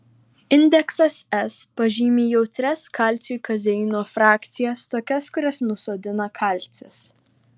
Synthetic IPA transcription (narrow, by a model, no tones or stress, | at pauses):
ɪnʲd̪ʲɛksɐsɛspɐʒʲiːmʲeːjɛʊt̪ʲɾʲɛskɑˑlʲt̪sʲujkɐzʲɛɪnoːfɾɑːkʲt̪sʲɪjɛst̪oːkʲɛskʊɾʲɛsnʊsoːd̪ʲɪnɐkʰɐˑlʲt̪ʲsʲɛs